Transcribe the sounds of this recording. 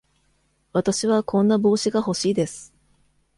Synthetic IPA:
βat̪aɕiβakʰõ̞nːabo̞ːɕiɡaho̞ɕiːd̪e̞sɨ̥

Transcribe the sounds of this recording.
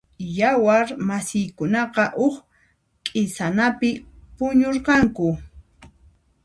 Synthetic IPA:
jawaɾmasɪjkʊnɑqɑʔʊχ | kʼɪsanapɪpʊɲoɾqɑŋkʊ

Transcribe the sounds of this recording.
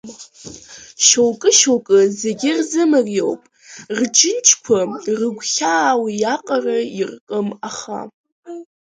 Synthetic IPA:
ʃowkʼɨʃowkʼɨze̞ɡʲɪrzɨmɨrjo̞wpʼ | rd͡ʒɨnt͡ʃʰʼkʷʰarɨɡʷχʲaːwjaqʼarairkʼɨmaχa̰

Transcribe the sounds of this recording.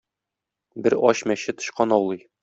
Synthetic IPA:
bɘɾɒɕmæɕɘt̪ːŏɕqɑnɒwlˠɤj

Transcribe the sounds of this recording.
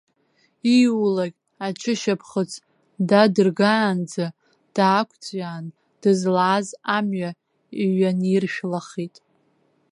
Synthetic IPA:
iwlaɡʲ | at͡ʃʰɪʃapʰχət͡sʰ | dadɨrɡaːnd͡za | d̥aːkʷʰʼt͡sʼjaːn | d̥ɨzlaːzamɥa | iɥanirʃᶣlaχitʼ

